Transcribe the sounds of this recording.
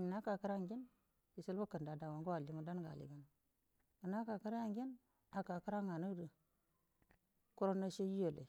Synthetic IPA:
mi˨na˦ka˨kə˦ɾa˦ŋɡe˦n | ji˨sə˦lbo˦kə˨nda˨da˨wa˨ŋɡo˦wa˨li˨mu˨da˦nɡa̰˨lḭ˨ɡa˦n˨ | ə˨na˦ka˨kə˦ɾa˦ja˦ŋɡʲe˦n | a˨ka˨kə˦ɾa˦ŋa˨nə˦də˨ | ko˦ɾo˦nːa˦ʃe˦ji˦jo˨lḛ˨

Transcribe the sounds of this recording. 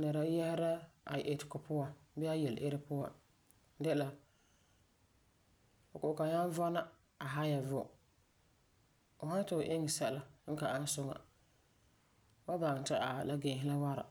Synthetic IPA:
nɛ˨ɾa˨jɛ˦hɪ˦ɾa˦a˨ʔe˨tɪ̥˨kʊ˨pʊ˦wa˨bɛ˦a˦jɛ˨lʔɪ˦ɾɪ˦pʊ˦wa̰˨ | dɛ˦la˨ | o˨kʊ˨ʔka˨ɲa˦n˦va˦na˦ | a˨ɦa˦ja˨vʊ˦˨ | o˨ha˦n˦ta˨ʔɪ˦ŋɪ˨sa˦˨la˨ŋ̩˦ka˨ʔa˦sʊ˦ŋa̰˨ | ba˦ba˨ŋ˨ta˦ʔa˨la˦ɡe˨ɦɪ˦la˦wa˦ɾa̰˨

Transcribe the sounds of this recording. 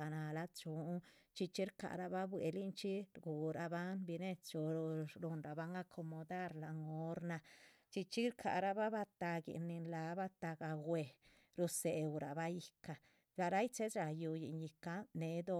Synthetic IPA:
a˨na˨la˧˦t͡ʃu˨˦t͡ʃi˧t͡ʃi˦ɾka̰˨ɾa˧ba˦bwḛ˨li˦nt͡ʃi˦ɾɡu˨ɾa˨ba˦nbi˧ne˦˧t͡ʃu˨˧ɾu˧nɾa˨ba˧˦ŋa˦kʰo˧mo˧d̪a˦ɾla˨ŋo˦ɾna˧ | t͡ʃi˧t͡ʃi˦ɾkʰa̰˨ɾa˦ba˦ba˧t̪a˧ɡḭ˨ni˧nla˨˦ba˦˧t̪a˧ɡa˧ɡwe˨ | ɾu˧se˨wɾa˨ba˦ji˧ka˨ | la˧ɾa˦jt͡ʃe˦sɾa˨ju˧jḭ˨nji˧ka˦ne˧˦d̪o˧

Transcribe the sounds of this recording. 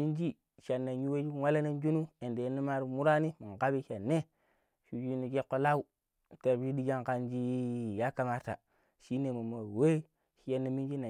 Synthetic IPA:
i˦nd͡ʒi˦ | ʃa˨nːa˨ɲu˦we˦d͡ʒi˦wa˦la˦na˦nd͡ʒu˦nu˦e˨nde˨je˦ni˦ma˦ɾi˦mu˦ɾa˦ni˦mi˨ŋɡa˦bi˦ʃa˨nːe˦ | ʃu˨d͡ʒi˦ni˨d͡ʒe˦kːo˦la˦u˦˨ | te˨ɾd͡ʒi˦di˦d͡ʒa˦ŋka˨nd͡ʒi˦ja˦ka˨ma˦ɾta̰˨ | ʃi˦ne˨mu˨ma˨we˦ | ʃi˦je˦nːi˦mi˦nd͡ʒi˦na˨

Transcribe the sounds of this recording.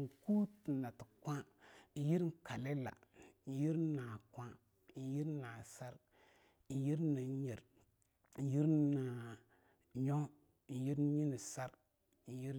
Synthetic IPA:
ku˦ti˨na˨ti̥˨kʷa˦˨ji˦ɾka˨le˦la̰˨ji˦ɾna˨kʷã˦˨ | ji˦ɾna˨sa˦ɾ | ji˦ɾni˨˦ɲi˨ɾ | ji˦ɾna˨ | ɲo˦˨ | ji˦ɾɲi˦ni˨sa˦ɾ | ji˦ɾ

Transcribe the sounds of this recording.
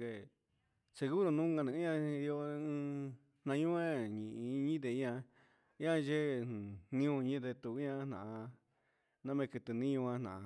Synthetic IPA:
e˧˨ | se˧ɣu˦ɾo˧nũ˦ŋɡã˧nĩ˧˦ã˧i˧jo˧ɨ̃˦˧ | n̥ã˧ɲũ˦ẽ˦ɲĩ˨ʔĩ˧ɲĩ˦d̪̬e˧˨i˦ã˧ | i˦ã˦˧ʒẽ˦˨nĩ˦ũ˧ɲĩ˦d̪e˧t̪u˧˨i˦ɲã˧n̥ã̰˨a˧ | nã˦mẽ˧kɨ˧t̪ɨ˧nĩ˦ũ˧ã˧nã̰˨a˧

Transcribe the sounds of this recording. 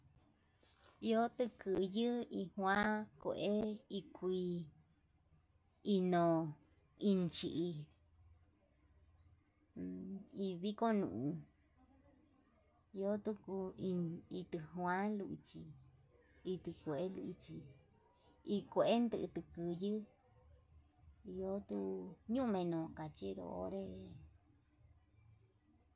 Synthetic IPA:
i˧o˦t̪ɨ˧kɨ˧jɨ˦i˧hwã˦kʷḛ˧˨ʔe˦i˧kʷi˧ | i˧nõ˨ | i˧nt͡ʃi˧ʔi˧ | i˧βi˦ko˦nṵ̃˧˨ʔũ˧ | o˦t̪u˦ku˧i˧i˧t̪ɨ˧hw̃ã˦lu˧ʔi˧t͡ʃi˧ | i˧t̪ɨ˧kʷe˨ʔe˦lu˧ʔi˧t͡ʃi˧ | i˧kʷe˧ʔe˦nd̪ɨ˧ʔt̪ɨ˧kɨ˧jɨ˦ | i˧jo˦t̪u˦ɲũ˦˧mẽ˧nõ˨ka˨t͡ʃi˦ɾo̰˧o̰˦ɾe˦

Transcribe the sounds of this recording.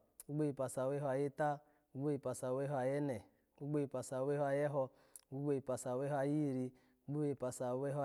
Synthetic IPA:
u˦ɡ͡be˦ji˨pa˨sa˨wɛ˦ɦɔ˧a˨je˦ta˦ | u˦ɡ͡bo˦i˨pa˨sa˨wɛ˦ɦɔ˧a˨jɛ˦nɛ˨ | u˦ɡ͡bo˦i˧˨pa˨sa˨wɛ˦hɔ˦a˨jɛ˦ɦɔ˧˦ | u˦ɡ͡bo˦i˧˨pa˨sa˨wɛ˦hɔ˦˧a˨ji˦˨ɾi˧ | u˦ɡ͡bo˦i˨pa˨sa˨wɛ˦ɦɔ˦˨

